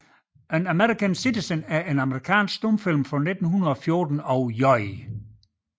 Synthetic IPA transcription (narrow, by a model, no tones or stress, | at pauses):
ʔænæmeʁikʰænsidisənæɐʔe̝nɑməʁikʰɛ̰ːnsɡ̥sd̥omfilmfʁɒ̽ne̝d̥n̩hunɐðˠɒ̽fjo̝ɐd̥n̩ɒʊjɒɪ